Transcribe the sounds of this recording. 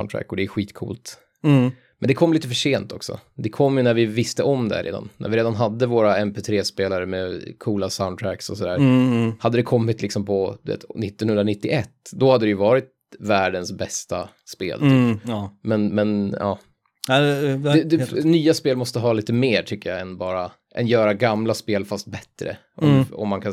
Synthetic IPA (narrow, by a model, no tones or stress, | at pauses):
ʊnt̪ʰɾæ̰kːɔd̪ɛːɧiːt̪kʰṵːlt̪ | mɛnd̪ɛkʰɔmːiːt̪əfəʂeːnt̪ʰɔksɔ̰d̪ɛkʰɔmːjɵnæɾvɪvɪst̪əʔɔmd̪æ̰ɾḛːd̪a̰nːʔæ̰ɾvɪɾeːd̪anɦad̪ːəvoːɾaɛmpʰeːt̪ʰɾeːspeːlaɾəmɛkʰuːlasaʊnt̪ʰɾæksɔsɔd̪æ̰ːɾhad̪ːəd̪ɛkʰɔmːɪt̪ʰlɪksɔmpʰɔd̪̥ɵvḛːt̪nɪt̪ːɔnhɵnd̪ɾanɪt̪ːɪʔɛt̪ːd̪ɔhad̪ːɾɛjɵvɑːɾɪt̪̚ | væːɖənsbɛst̪a̰ | spḛːlt̪ʰːmɛnmɛnɑ̰ː | ɛd̪ɛnyːaspeːlmɔst̪əɦɑːliːt̪əmeːʈʰʏkːəja̰ɛnbɑːɾa | ʔɛnjœːɾaɡamlaspeːlfast̪̚bɛt̪ːɾə̰ | ʔɔmɔ̰mːankʰa